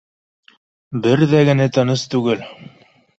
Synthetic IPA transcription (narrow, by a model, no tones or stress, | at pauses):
bɘɾðæɡɘ̆næt̪ɤ̆nɤst̪ʉɡɘl